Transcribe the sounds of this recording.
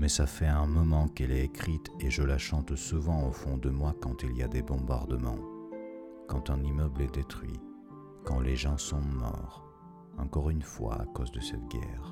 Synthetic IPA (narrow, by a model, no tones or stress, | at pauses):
mɛsafɛɛ̃mɔmɑ̃kɛlɛekχit̪eʒəlaʃɑ̃t̪suvɑ̃ofɔ̃d̪əmwakɑ̃t̪ilijad̪ebɔ̃ba̰ʁd̪əmɑ̰̃ | kɑ̃t̪ɛ̃nimœblɛd̪et̪χɥḭ | kɑ̃leʒɑ̃sɔ̃mɔ̰ʁ | ɑ̰̃kɔʁynfwa̰a̰kozd̪əsɛt̪ɡʲɛ̰ʁ